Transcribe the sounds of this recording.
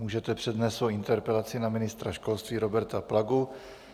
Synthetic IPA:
uːʒɛt̪ɛpr̥ɛd̪nɛːst̪svowʔɪnt̪ɛɾpɛlat͡sɪnamɪnɪst̪ɾaʃko̞lst̪viːɾo̞bɛɾt̪aplaɡu

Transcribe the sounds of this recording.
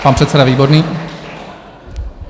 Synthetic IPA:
paːnpr̝̥ɛt̪sɛdaviːboɾniː

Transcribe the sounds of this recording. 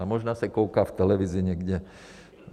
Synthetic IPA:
amɔʒnaːsakɔʊkaːft̪ɛlɛʋiziɲɛɡɟɛ

